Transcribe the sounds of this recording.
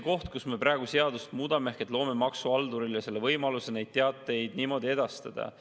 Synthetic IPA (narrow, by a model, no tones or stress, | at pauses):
ko̞ht̪̚kusme̞prɑeɡ̥use̞ɑd̪ust̪muːd̪ɑmehket̪lo̞ːme̞mɑksuɑld̪uɾiljɑse̞lːe̞vɤjmɑlusene̞jd̪̥̚t̪e̞ɑt̪ːˑe̞jd̪̥niːmo̞d̪ʲie̞d̪̥ɑst̪ɑd̪̥ɑ̰